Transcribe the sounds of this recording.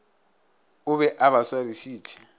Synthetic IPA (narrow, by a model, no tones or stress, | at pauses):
ʊβɛʔaβaswarisiːt͡ʃʰɛ̥